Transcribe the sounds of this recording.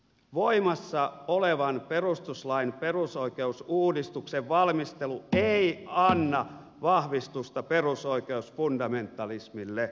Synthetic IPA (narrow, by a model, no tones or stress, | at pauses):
ʋoimɑsːɑoleʋɑnperust̪uslɑinperusoikeusuːdist̪ukseʋʋɑlmist̪elueiɑnːɑ | ʋɑhʋist̪ust̪ɑperusoikeusfundɑment̪ːˑɑlismilːe